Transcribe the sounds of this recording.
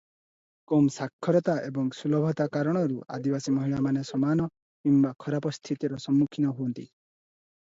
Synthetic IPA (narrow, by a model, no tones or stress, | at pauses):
komsakʰːɔɾɔt̪aʔebɔŋsulɔbʱɔt̪akaɾɔɽ̃ɔɾua̰d̪ibasimɔɦiwamanesɔmanɔ | kimbakʰɔɾapɔst̪ʰit̪iɾɔsɔmːukʰinɔɦuɔnt̪ḭ